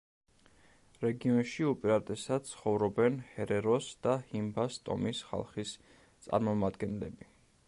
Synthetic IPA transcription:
ɾɛɡiɔnʃiupʼiɾat̪ʼɛsad̪̥̚t̪sʰχɔvɾɔbɛnhɛɾɛɾɔsd̪̥ahimbast̪ʼɔ̰misχa̰lˠχis | t̪sʼa̰ɾmɔmad̪ɡɛnlɛ̰bi

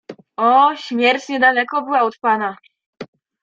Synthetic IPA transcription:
ɔɕmʲjɛɾt̪ɲɛd̪alɛkɔbɘwaɔt̪pana

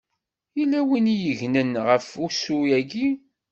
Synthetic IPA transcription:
ilːæwinijəʝnənʁəfusujæɡi

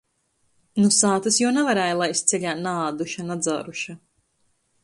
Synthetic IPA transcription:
nusaːt̪ɨsjuwnavaɾɛːjlˠajst̪sɛʎʲaːnaaːd̪uʃanad̪za̰ːɾuʃa

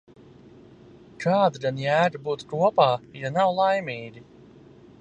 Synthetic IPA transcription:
kʰaːd̪d̪anjæːd̪abuːt̪kuɔpaːjanawlˠajmʲiːɡʲi

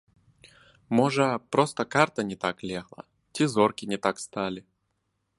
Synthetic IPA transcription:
moʐəpɾost̪əkart̪ənʲɪt̪aklʲeɣlˠə̰ | tʲezorkʲɪnʲɪt̪akst̪alʲɪ

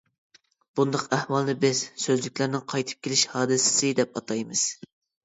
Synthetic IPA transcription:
b̥und̪ɑqæhwɑlˠnɨbɪz̥søzlykʲlæɾnɪŋqʰɑjt̪ʰɨ̥p̚kʲʰelɪʃhɑːd̪ɨsɪ̥sɨd̪ɛp̚ɑt̪ʰɑjmɨz̥

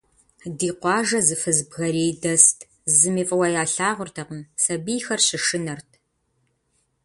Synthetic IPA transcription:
diːqʷɑːʒɐzɨfɨzbɣɐɾiːdɐstʰ | zɨmiːfʼɐwɐjaːɬaːʁʷʊrtʰɐqəmsɐbiːxɐrɕɪʂɨnɐrtʰ

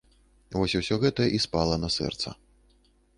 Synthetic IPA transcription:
vɔsʲuwsʲɔɣɛt̪ɐʔispalˠɐnɐsɛ̰rt̪sɐ̰

